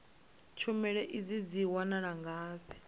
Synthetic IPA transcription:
t͡ʃʰumɛɺɛʔid͡zid͡ziwanaɺaŋɡaːɸʰɛ̥

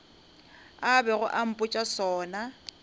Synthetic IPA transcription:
abɛɣʊʔam̩pʼʊt͡ʃʼasɔːna

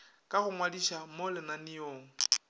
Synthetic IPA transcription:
kʼaχʊŋwadiʃamolɪnanɪjoːŋ̩

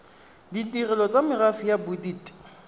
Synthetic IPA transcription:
ditirɛlɔt͡sʼamɪrafijabʊdiːtʼ

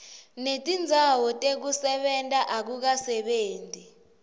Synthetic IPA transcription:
netʼind͡zʱawɔtʼek̬usɛɓɛntʼaʔak̬uk̬asɛɓeːnti

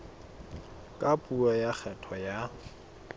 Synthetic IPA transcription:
kʼapʼuɔjak͡xʰɛtʰɔja

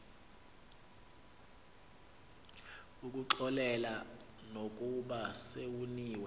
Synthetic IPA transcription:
uk̬ʼuǁɔlɛla | nokʼuɓasewuniːwɛ

